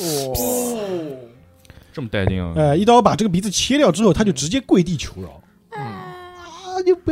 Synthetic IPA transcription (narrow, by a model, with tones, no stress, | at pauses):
ʈ͡ʂə˥˩mə˩t̪a˥˧ɪtḭ˥ŋ̰˧ə˥˧i˥˩t̪ɑ˥pa˨˩ʈ͡ʂɤ˥˩ɡə˩p̬i˧˥t͡sɹ̩˥˩t͡ɕʰjɛ˥ljɑ˥˧ʊʈ͡ʂɻ̩˥xo˥ʊt̪ʰa˥t͡ɕjo˥˩ʊʈ͡ʂɻ̩˧˥t͡ɕjɛ˥kwe˥˧ɪt̪̬i˥˩t͡ɕʰjo˧˥ʊlɐ̰˧˩˥ | t͡ɕo˥˩p